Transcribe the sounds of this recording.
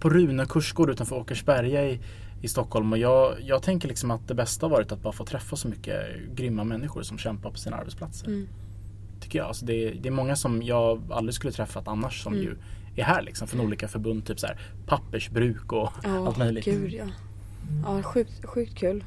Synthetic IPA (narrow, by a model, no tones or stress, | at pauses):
pʰɔɾʉ̟ːnəkʰɵʂɡoːɖ̪ʉ̟ːt̪anfœɾoːkəʂbæɾjaɪ | ɪst̪ɔkʰːhɔlmɔjɑːɡjɑːɡ̚t̪ʰɛŋkəlɭɪksɔmat̪̚d̪ɛbɛst̪ahaɾvɑːɾɪt̪at̪̚bɑːɾafoːt̪ʰɾɛfːasɔmʏkːə̰ | ɡɾʏmːamɛnːɪxʊ̰ɾʂɔmɕɛmpaɾpʰɔ̥siːnaa̰ɾbɛt̪spʰlat̪səɾ | t̪ʰʏkːəjɑ̰ːa̰lsɔd̪ɛd̪ɛːɾmɔŋːasɔmjɑːɡa̰lːɾɪskɵlːət̪ʰɾɛfːat̪anːaʂːɔmjɵ̰ | æɾhæːɾɭɪ̰ksɔmfɾɔnuːliːkafœɾbɵnd̪t̪ʰyːpsæ̰ːɾ | pʰapːəʂbɾʉ̟ːkɔalt̪mœjlɪɡd̪ja | ɑːɧʉ̟ːk̚t̪ɧʉ̟ːk̚t̪̚kʰʉːl